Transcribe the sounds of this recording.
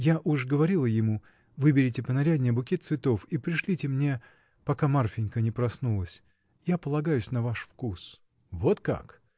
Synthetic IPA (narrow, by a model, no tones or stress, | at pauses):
jaʔuʐɡəvɐɾʲilˠəjɪmu | vɨbʲɪɾʲɪtʲɪpənɐɾʲædʲnʲɪjəbʊkʲet̪t̪svʲɪt̪o̞fipɾʲɪʂlʲitʲɪmnʲe̞ | pɐkamarfʲɪnʲkənʲɪpɾɐsnulˠəsʲ | japəlˠɐɡajʊsʲnɐvaʂfkus | vo̞t̪ka̰k